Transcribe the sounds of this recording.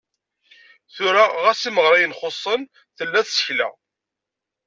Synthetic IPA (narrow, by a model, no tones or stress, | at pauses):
θʊɾaʁæsiməʁɾˤɑjənχosˤːən | θəlːæθsə̥çlæ̰